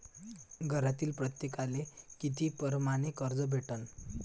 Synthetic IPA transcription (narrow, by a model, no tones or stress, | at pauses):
ɡʱəɾat̪iːlpɾət̪jekalekit̪ʰipəɾmanekəɾd͡zəbʱeʈən